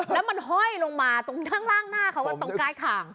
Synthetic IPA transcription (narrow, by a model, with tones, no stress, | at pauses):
lɛː˦˥wma˧nɦɔ˥˩jlo˧ŋmaː˧t̪o˧ŋnʰaː˥˩ŋlaː˥˩ŋnaː˥˩kʰa˦˥waː˧˥˩t̪ɔ˦˥˩ŋkaː˧jk̪ʰaː˨˩ŋ